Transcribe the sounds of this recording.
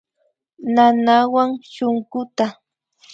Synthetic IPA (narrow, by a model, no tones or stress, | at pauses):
nanawaŋʃoŋkʊt̪a